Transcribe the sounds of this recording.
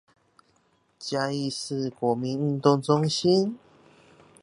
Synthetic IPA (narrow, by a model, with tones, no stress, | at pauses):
t͡ɕja˧i˥˧sɹ̩˥˧kwɔ˨˩mi˨˦n̩˥˧nt̪ʊ˥˧ŋt͡sʊ˦ŋɕi˦˥n